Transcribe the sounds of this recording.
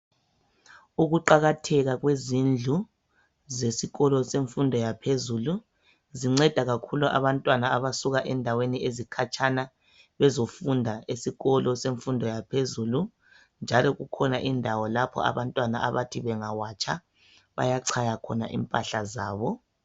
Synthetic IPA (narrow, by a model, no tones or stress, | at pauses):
uɣuǃaɣatʰɛɣaɣwezind͡ɮʱu | zesiɣɔlɔseɱfundʱɔjapʰezuːlu | ziŋ͡ǀɛd̥ʱaɣakʰuluʔa̰βantʼwanaaβasuɣaʔɛndʱaweniezikʰat͡ʃʰʼana | βɛzofundʱaesiɣɔlɔseɱfundʱɔjapʰezuːlu | nd͡ʒʱalɔɣukʰɔnaʔindʱawɔlapʰɔ̰a̰βantʼwanaʔa̰βatʰiβɛŋawat͡ʃʰʼa̰ | βa̰jaǀʰajakʰɔna̰ʔḭmpʼaɬazaːβɔ